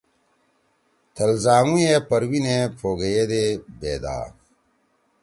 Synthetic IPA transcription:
t̪ʰɐlzaːŋũjepɐɾwinepʰoːɡɐjed̪ebḛːd̪a̰ː

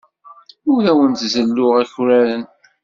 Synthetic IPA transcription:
ʊðæwənt̪zəlːʊʁæçʊɾæɾən

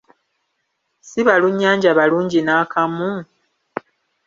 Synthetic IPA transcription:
siβaluɲːaːɲɟaβaluːɲɟinaːkʰamu

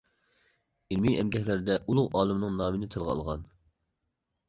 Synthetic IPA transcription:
ilmiɛmɡʲɛhʲlɪɾɪd̪ɛʔulˠʊʁɑːlˠɨmnɨŋnɑːmɨnɪt̪ʰɨlˠʁɑɑ̰lˠʁɑn

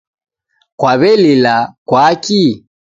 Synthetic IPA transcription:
kwaβɛlilakwaki

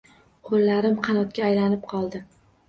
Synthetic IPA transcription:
qʰolːaɾɪmqʰɑnɒt̪̚kʲaːjlanɪp̚qʰɒlˠd̪ɪ

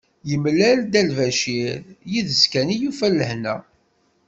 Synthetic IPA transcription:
jəmlæld̪ælvæʃiɾjiðəskænijufælːəhnæ

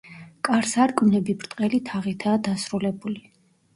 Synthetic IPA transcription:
kʼaɾsaɾkʼmnɛbibɾt̪ʼqʼɛlit̪ʰaʁit̪ʰaːd̪asɾulɛbuli

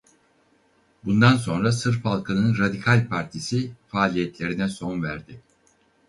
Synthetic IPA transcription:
bund̪ans̬o̞nɾasɯɾfhalˠkʰanɯnɾad̪ikʰalʲpʰaɾt̪ʰisifaːlʲijɛt̪lʲe̞ɾinɛso̞nvæɾd̪ɪ

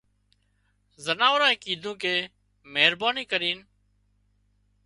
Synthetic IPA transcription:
zənaːʋɾãːẽːkiːd̪ʱũːkeː | meːɾbaːniːkəɾiːn

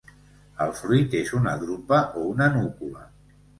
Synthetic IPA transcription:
əlˠfɾuit̪ezunə̰ðɾupəʔounənukulə

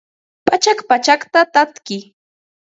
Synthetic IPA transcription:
pat͡ʃakpat͡ʃakt̪at̪at̪kɪ

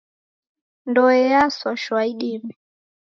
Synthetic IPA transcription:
ndɔɛjaswaʃwaiɗimi

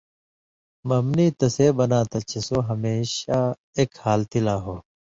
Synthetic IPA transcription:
mɐmniːt̪ɐseːbɐnaːt̪ɐt͡ɕʰesoːɦɐmeːɕaː | eːkhaːlt̪ilaːɦoː

